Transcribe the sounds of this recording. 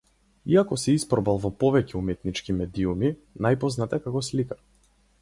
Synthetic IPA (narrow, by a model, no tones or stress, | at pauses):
iakɔsɛispɾɔbalˠvɔpɔvɛcɛumɛt̪nit͡ʃkimɛd̪iumi | najpɔznat̪ɛkakɔslika